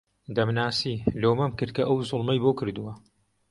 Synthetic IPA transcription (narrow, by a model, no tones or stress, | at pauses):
d̪ɐmnaːsiːloːmɐmkɨɾt̪̚kʰɐʔɐwzʊlˠmɐjboːkɨɾd̪uwɐ